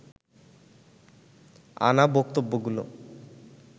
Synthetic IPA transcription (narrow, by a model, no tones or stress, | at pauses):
a̰nabokt̪obːoɡulo̰